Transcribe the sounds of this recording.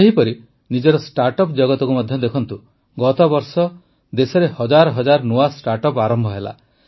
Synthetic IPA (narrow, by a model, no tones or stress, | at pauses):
eɦipɔɾi | nid͡ʒɔɾɔsʈaɾʈɔpd͡ʒɔɡɔt̪ɔkumɔd̪ʱjɔd̪ekʰɔnt̪u | ɡɔt̪ɔbɔɾsɔ | d̪esɔɾehɔd͡ʒaɾɔɦɔd͡ʒaɾɔnuasʈaɾʈɔpaɾɔmbʱɔɦela̰